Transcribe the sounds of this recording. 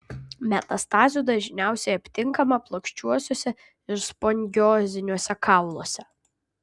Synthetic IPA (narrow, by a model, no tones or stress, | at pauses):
mʲɛt̪ɐst̪ɑːzʲud̪ɐʒʲnʲæˑʊsʲɛɪɐpʲt̪ʲɪŋkɐmɐplˠɔkʃʲt͡ʃʲuɔsʲoːsʲɛ | ɪɾspɔŋʲɡʲɔːzʲɪnʲuɔsʲɛkʰɑˑʊlˠoːsʲɛ